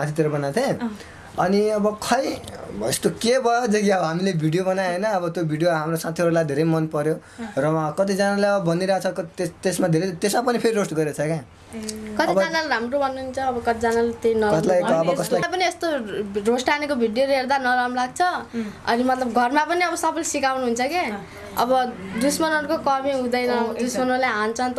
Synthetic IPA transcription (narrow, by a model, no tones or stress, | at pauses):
mãt̪ʰit̪iɾʌbʌnat̪ʰẽ | ʌniʌbʌkʰʌjḛst̪okebʱʌjod͡zʌkiʌbʌɦamilebʱiɽijobʌnaenʌːbʌt̪jobʱiɽijoɦamrosãt̪ʰiɦʌɽulajd̪ʱeɾʌjmʌnpʌɾjorʌkʌt̪̬id͡zanaleʌbʌbʌniɾʌɦat͡sʰʌkt̪t̪esmad̪ʱeɾʌt̪esmapʌnipʰeɾiɾosʈɡʌɾiʌt͡sʰʌke | kʌt̪id͡zanalɾamrobʱʌnːuɦunt͡sʰʌːbʌkʌt̪id͡zanalet̪ejnʌkʌslajːbʌkʌslapʌniest̪orosʈanekobʱiɖijolɦeɾd̪anʌɾamlaɡ̚t͡sʰʌʌ̰nimʌt̪lʌbɡʱʌrmapʌniʌbʌsʌpʰʌlsikawnuɦunt͡sʰʌke | ʌ̰bʌd̪usmʌnʌɾkokʌbiɦũd̪ʌjnʌd̪usmʌnʌɾlaɦant͡sʰʌnt̪